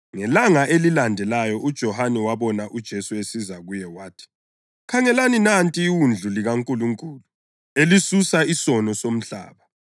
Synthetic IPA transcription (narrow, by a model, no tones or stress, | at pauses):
ŋɛlaŋaʔelilandʱɛlajɔʔud̥ʒ̥ʱɔhanɛwaβɔnaʔud̥ʒ̥ʱesuesizaɣujɛwaːtʰi̥ | kʰaŋɛlaninantʼiːwund͡ɮʱuliɣaŋkʼuluŋkʼuːlu | elisusaisɔnɔsom̩ɬa̰ːβa